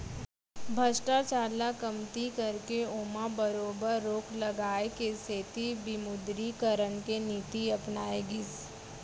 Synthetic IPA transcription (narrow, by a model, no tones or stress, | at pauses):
bʱɐsʈat͡ʃaːlakɐmt̪ikɐɾkeoːmabəɾoːbəɾːoːkʰlɐɡaːekeseːt̪ibɪmʊd̪ɾikəɾənkeniːt̪iɐpnaːeɡɪz